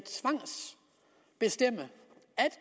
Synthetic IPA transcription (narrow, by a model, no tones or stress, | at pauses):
t͡sʰʋɑ̈ŋ̰s | b̥e̝sd̥em̰ə | æd̥